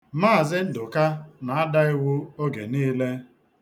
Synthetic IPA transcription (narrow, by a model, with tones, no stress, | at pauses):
ma˦˨zɪ˦n̩˦dʊ˨ka˦na˨a˦da˦ɪ˦wʊ˦o˦ɡḛ˨niː˦le˦